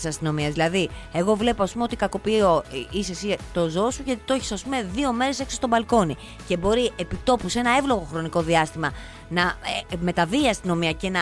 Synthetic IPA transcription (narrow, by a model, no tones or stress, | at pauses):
sɐst̪ino̞miɐzðilɐðie̞ɣo̞vle̞poɐspumeo̞t̪ikɐko̞pio̞isesit̪o̞zoosuʝɐt̪i̥t̪oçi̥sɐspume̞ðio̞me̞ɾese̞ksost̪obɐlko̞ni | ce̞bo̞ɾiʔe̞pit̪o̞puse̞nɐe̞vlo̞ɣo̞xɾo̞niko̞ðiɐst̪imɐ | nɐme̞t̪ɐviːɐst̪ino̞miɐce̞nɐ